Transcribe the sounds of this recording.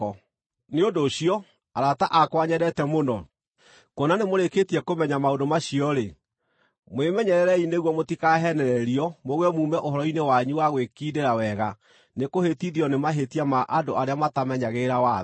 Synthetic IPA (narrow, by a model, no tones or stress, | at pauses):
neondoːɕiɔ | aɾataʔakwaɲɛɾɛtɛmonɔ | kwɔnanemoɾeketiɛkomɛɲamaondomaɕiɔɾe | mwemɛɲɛɾɛɾɛineɣwɔmotikaɦɛnɛɾɛɾiɔmoɣwɛmumɛʔoɦɔɾɔinewaɲuwaɣwekideɾawɛɣa | nekohetiðiɔnemaɦetiamaʔadoaɾeamatamɛɲaɣeɾawa